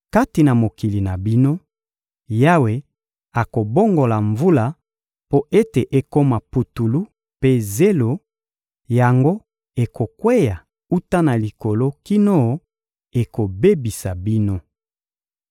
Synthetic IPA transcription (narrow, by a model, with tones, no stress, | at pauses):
ka˦ti˨na˨mo˨ki˨li˨na˨bi˦no˦ | ja˦we˨ | a˨ko˨bo˦ŋɡo˨la˨ɱvu˦la˦ | po˦ʔe˦te˨ʔe˦ko˦ma˨pu˨tu˨lu˦ | pe˦ze˦lo˨ | ja˨ŋɡo˦ | e˨ko˨kwe˦ja˨ | u˦ta˦na˨li˨ko˨lo˦ki˦no˦˨ | e˨ko˨be˦bi˨sa˨bi˦no˦